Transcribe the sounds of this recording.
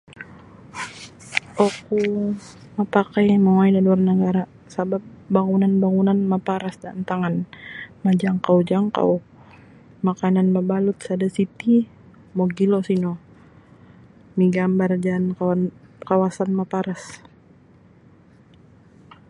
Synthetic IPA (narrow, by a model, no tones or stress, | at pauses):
ɔku | mapakajmaŋaidaluarnəɡaɾa | sabap̚ːaŋunanbaŋunanmapaɾasdant̪aŋanmad͡ʒaŋkawd͡ʒaŋka̰w | makananmabalut̪̚sadasit̪i | mɔɡilɔsinɔ | miɡambard͡ʒankawankawasanmapaɾas